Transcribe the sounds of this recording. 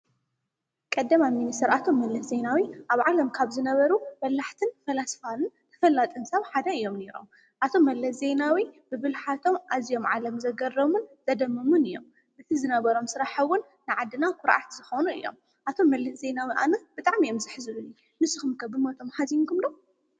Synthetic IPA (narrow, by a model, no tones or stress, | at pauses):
kʼɐd̪ːɐmaminist̪ʰɐɾat̪ʰo̞mːɐlːɐsze̞nawiʔaβʕalɐmkʰaβzɨnɐβɐɾumɐlːaħt̪ʰɨnfɐlasfanɨnt̪ʰɐ̥fɐlːat̪ʼɨnsɐβħad̪ɐɨjːo̞mne̞ɾo̰m | ʔat̪ʰo̞mːɐlːɐszenawibɨβɨlħat̪ʰo̞mʔazijo̞mʕalɐmzɐɡɐrɐmunz̥ɐd̪ɐmːɐmunɨjo̞̰m | ʔɨt̪ʰizɨnɐβɐɾo̞msɨɾaħɐwʊnːɨʕad̪ːɨnakʰʊɾʔa̰t̪z̥ɨxonuɨ̰jːo̞̰m | ʔat̪ʰo̞mːɐlɐszenawiʔa̰nɐb̥ɨt̪ʼaʕmiomzɨħɨzɨluni | nɨsɨxumkʰɐbɨmot̪ʰo̞mħaziŋkʰumd̪o